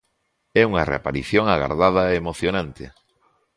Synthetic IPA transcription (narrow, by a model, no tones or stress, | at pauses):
ɛuŋɐrḛapaɾiθjoŋaɣa̰ɾðað̞aeːmoθjonãnt̪ɪ̰